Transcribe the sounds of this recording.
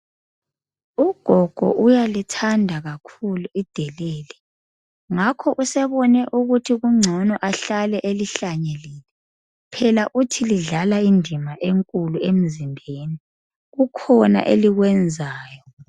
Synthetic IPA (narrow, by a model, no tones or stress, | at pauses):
uɡ̥ʱɔɡ̥ʱɔ̰ʔujalitʰandʱaɣakʰuluid̥ʱɛlɛːlɛ | ŋakʰɔʔusɛβɔnɛʔuɣutʰiɣuŋ͡ǀʱɔnɔʔaɬalɛʔeliɬaɲeliːlɛ | pʰɛlaʔutʰiliɮalaindʱimaʔeŋkʼuluem̩zimbʱeːni | ɣukʰɔna̰ʔḛliɣwɛnd͡zʱaːjɔ